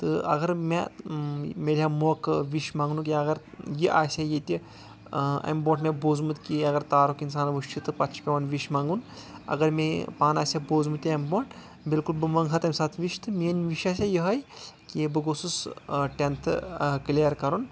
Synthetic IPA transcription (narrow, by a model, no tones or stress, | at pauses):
t̪ɨɐ̰ɡɐɾme | meːɾʲjamokʋiʃmaːŋɡnuk̬iɐɡɐɾjiʔaːsʲajet̪ʲi | ɐ̰mboːʈmẽboːzmɨt̪ʲkiɐɡɐɾt̪aːɾokins̬aːnɐʋəʃt͡ʃʰit̪ɨpɐtt͡ʃʰpʲɐʋɐnʋiʃmaːŋɡunɐ̰ɡɐɾmepaːnaːsʲaboːzmut̪ʲiɐmboːɳʈ | bilkulbɨmɐŋɡɦɐt̪ɐmʲsaːt̪ʰʋiʃt̪ʰɨmiənʲʋiʃaːsʲajiɦɐjkibɨɡosusʈʲent̪ʰklijɐɾkɐɾun